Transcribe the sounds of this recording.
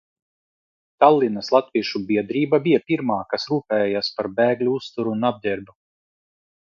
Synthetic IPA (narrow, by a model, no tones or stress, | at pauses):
t̪alˠːinɐslˠat̪viɛʃubiɛd̪ɾiːbabijapiɾmaːkasɾuːpɛːjaːspaɾbɛːɡlʲuust̪uɾunab̚d̪ʲɛɾd̪u